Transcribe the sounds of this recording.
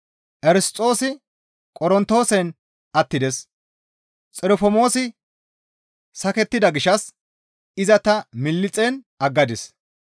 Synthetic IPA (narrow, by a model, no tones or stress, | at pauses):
ʔɛɾɪstʼo̞ːsɪ | kʼɔɾɔnt̪ːo̞ːsɛn | ɐt̪ːɪd̪ɛs | t͡sʼɛɾɔfɔmo̞ːsɪ | sɐkɛt̪ːɪd̪ɐɡɪʃɐs | ɪzɐt̪ɐmɪlːɪt͡sʼɛnʔɐɡːɐd̪ɪs